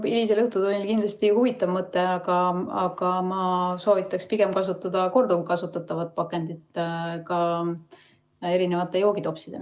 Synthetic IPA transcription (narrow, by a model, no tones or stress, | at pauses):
ilis̬elɤht̪ud̪olʲikind̪lɑst̪ihuvit̪ˑːɑvmɤt̪ːˑe̞ɑɡ̥ɑɑɡ̥ɑmɑso̞ːvit̪ːˑɑkspiɡe̞mkɑs̬ut̪ːˑɑd̪̥ɑko̞rd̪ukukɑsut̪ːˑɑt̪ːˑɑvɑt̪̚pɑkːˑe̞nd̪̥it̪kɑ | e̞ɾine̞vɑt̪ːˑe̞jo̞ːɡid̪o̞psid̪̥e̞̰